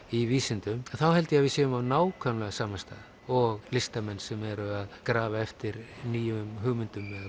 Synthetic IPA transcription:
iviːsɪnt̪ʏmɛnθawhɛlt̪ɪjavɪðsjɛːʏmawnaːwkʰœmlɛɣasaːmast̪a̰ːð | ɔɣlɪst̪amɛnːsɛmɛɾʏaðkɾaːvaɛft̪ɪɾniːjʏmɦʏɣmʏnt̪ʏmːɛð

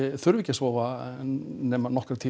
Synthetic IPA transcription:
ɪθʏɾvɪcːasvɔːva | nɛːmanɔhkɾaɾt̪ʰiː

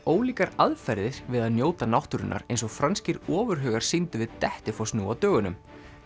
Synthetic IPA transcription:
oːwliːkaɾaðfɛɾðɪɾ̥vɪðaðnjoːwt̪anawht̪ʏɾɪ̰nːʔa̰ɾejnsɔɣfɾanscɪɾɔːvʏɾɦœːɣaɾ̥sɪnt̪ʏvɪðt̪ɛht̪ɪfɔsnuːawt̪œːɣʏnʏm

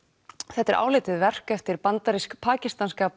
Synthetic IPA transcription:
θɛht̪ːɛɾa̰ːwlɪːt̪ɪðvɛr̥kɛft̪ɪɾpant̪aɾiskpʰaːcist̪anskaːp

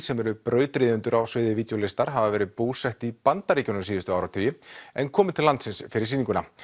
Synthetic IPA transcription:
sɛmɛɾʏpɾœːɥt̪ɾiːðʏnt̪ʏɾawsvɪːðɪviːt̪jowlɪst̪aɾ̥ɦavavɛːɾɪpuːsɛht̪ipant̪aɾiːcɔnʏsiːðʏst̪ʏaːwɾawt̪ʰœːjɪɛnkʰɔːmɪt̪ʰɪlant̪sɪnsfɪɾɪɾ̥siːniŋkʏna

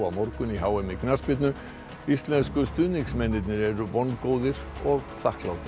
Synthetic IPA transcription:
amɔɾkʏniɦawɛmɪkʰnaspɪt̪nʏ | islɛnskʊst̪ʉːnɪksmɛnɪt̪nɪɾɛɾʋɔnkoːðɪɾ | ɔɣθahklawt̪ʰɪ

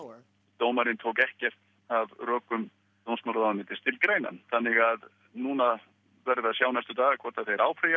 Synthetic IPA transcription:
t̪oːwmaɾɪnt̪ʰoːwkɛhcɛr̥t̪ | avrœːkʏm | t̪ownsmawlðaamɪnt̪ɪst̪ʰɪlkɾeːjna̰nθanːɪɣað | nuːna | vɛɾðɪaðsjaːwnɛst̪ʏt̪aːɣakʰvɔɾt̪aðθejɾaːwpɾeja

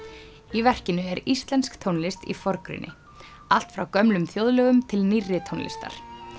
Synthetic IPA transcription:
ivɛr̥cɪnʏɛɾist̪lɛnskt̪ʰownlɪst̪ḭfɔɾkɾɪ̰nʔɪ̰ | al̥t̪fɾawkœmlʏmθjowðlœːɣʏmt̪ʰɪlnirːɪt̪ʰownlɪ̰st̪a̰ɾ̥

